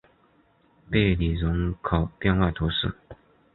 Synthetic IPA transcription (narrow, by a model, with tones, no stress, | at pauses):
pe˥˩ɪli˨˩ɻʊ˧˥ŋkʰo˨˩ʊpjɛ˥˧nwa˥˩ɪt̪ʰu˧˥ʂɻ̩˥˩